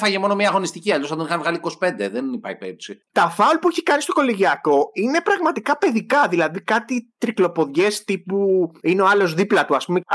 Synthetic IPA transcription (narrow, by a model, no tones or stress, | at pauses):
fɐʝemo̞nomɲɐːɣo̞nist̪iciɐlos̬ɐnd̪enixɐnvɣɐliko̞si̥pe̞nd̪e̞ðenipɐ̰ipepsit̪ɐfɐulpueçi̥kɐnist̪o̞ko̞leʝiɐko̞ine̞pɾɐɣmɐt̪ikɐpe̞ðikɐðilɐðikɐt̪it̪ɾiklo̞po̞ðʝe̞st̪ipuineo̞ɐlo̞zðiplɐt̪uɐspume